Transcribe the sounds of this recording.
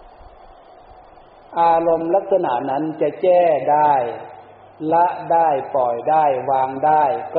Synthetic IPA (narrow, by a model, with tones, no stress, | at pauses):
ʔaː˧lo˧mla˦˧˥k̚sa˧na̰˧˩ʔna˦˥˨nt͡ɕa˧˨t͡ɕɛː˥˩daː˥˩j | la˦˥ʔdaː˥˩jpɔ˨˩jdaː˥˩jwaː˧ŋdaː˥˩jk